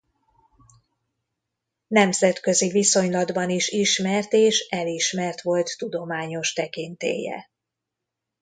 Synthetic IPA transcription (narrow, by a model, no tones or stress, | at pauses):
nɛmzɛt̪kø̞ziviso̞ɲlɒd̪bɒniʃiʃmɛrt̪eːʃɛliʃmɛrt̪ʋo̞lt̪ːud̪o̞maːɲo̞ʃt̪ɛkint̪ḛːjɛ̰